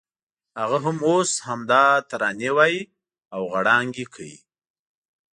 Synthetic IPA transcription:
haɣaɦamoshamd̪ɑt̪aɾɑnewɑji | awɣaɽɑŋɡekʰəjḭ

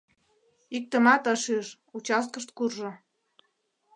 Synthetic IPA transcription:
ik̚t̪ə̆mɑt̪əʃiʃ | ut͡ɕɑst̪̚kə̆ʃt̪̚kurʒŏ

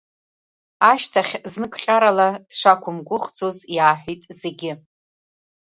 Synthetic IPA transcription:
aʃtʰaχʲznɨkʷʰʼχʲʼaɾalad̥ʂakʷʰʊmɡʷʊχd͡zozjaːħʷᶣitʼze̞ɡʲɪ

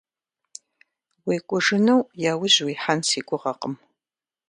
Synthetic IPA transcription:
weːkʷʼʊʒɨnɐwjaːwʊʑwiːħansiːkʷʼʊʁɐqəm

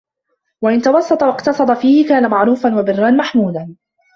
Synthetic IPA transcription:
waʔɪnt̪ɑwɑsˤːɑt̪ˤɑwɑqt̪ɑsˤɑd̪ˤɑfiːhɪkaːnamaʕɾuːfanwabɪrːanmaħmuːlan

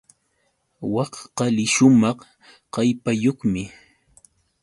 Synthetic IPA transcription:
wɑχqɑlɪʃʊmɑχ | qɑjpajoχmɪ

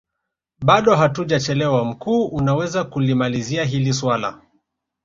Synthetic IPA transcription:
ɓaɗɔɦatuʄat͡ʃɛlɛwam̩kuːʔunawɛzakulimaliziaɦiliswala̰

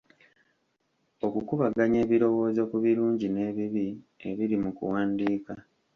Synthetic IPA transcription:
o̞kukuβaɡaɲe̞ːβiɾo̞wo̞ːzo̞kuβiɾuːɲɟine̞ːβiβi | e̞βiɾimukṵwaːndiːka

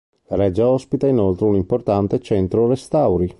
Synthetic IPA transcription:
laɾɛd͡ʒaɔspit̪ainolt̪ɾeunimport̪ant̪et͡ʃɛnt̪ɾorest̪awɾi

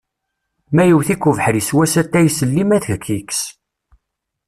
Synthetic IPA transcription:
mæjəwθikːuvəħɾiswæsæt̪ːæjsəlːimæθəkʰːiks

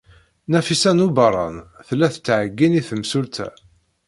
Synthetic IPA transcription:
næfisænubɑɾˤɑ̰nθəlːæθə̥t͡s̪ːʕəɡːiniθəmsult̪ʰæ̰

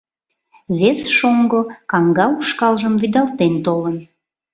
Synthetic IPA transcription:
βesʃoŋɡokɑŋɡɑuʃkɑlʒəmvyd̪ɑlt̪ent̪olən

